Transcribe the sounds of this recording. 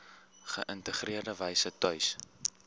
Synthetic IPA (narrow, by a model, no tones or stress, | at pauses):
χə̰ʔəntəχriərdəvɛjsətœɥs